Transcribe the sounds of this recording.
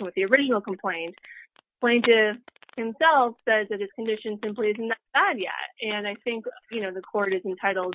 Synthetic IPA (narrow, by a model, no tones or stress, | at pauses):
wɨðiə˞ɪd͡ʒɨnl̩ˠkʰm̩pʰl̥ẽɪ̃nt̚ | pʰl̥ẽɪ̃ntɪfhɨ̃msɛlˠfsɛzðɨt̚ɨz̥kɨ̃n̩dɪʃɨ̃nsɪ̃mpliɪzn̩ðɨt̚b̥æd̚jɛ̰t̚ɨ̃naɪθɪ̃ŋkjɨnoʊðɨkʰɔɹɾɨzɨ̃n̩tʰaɪɾl̩ˠd̚